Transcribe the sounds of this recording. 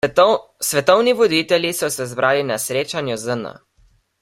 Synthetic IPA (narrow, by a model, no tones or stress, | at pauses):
sʋɛt̪ɔwniʋɔd̪iːt̪ɛlʲjisɔsɛzbɾʔaːlinasɾeːt͡ʃanjɔzəna̰